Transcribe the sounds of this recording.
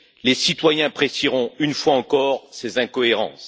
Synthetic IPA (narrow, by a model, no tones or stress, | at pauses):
lesit̪wajɛ̃pχesiʁɔ̃ynfwaɑ̃kɔʁsezɛ̃kɔeʁɑ̰̃ːs